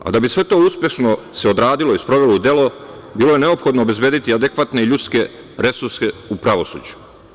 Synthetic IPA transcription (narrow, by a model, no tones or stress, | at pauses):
a̰d̪abisʋe̞t̪o̞uspʲje̞ʃnose̞od̪ɾaːd̪iloispɾo̞ʋe̞loud̪e̞lo̞biːloje̞neopxo̞d̪noːbe̞zbje̞ːd̪it̪iad̪ekʋat̪ne̞iʎut̪ske̞ | ɾe̞suɾseupɾaʋo̞sṵːd͡ʑu̥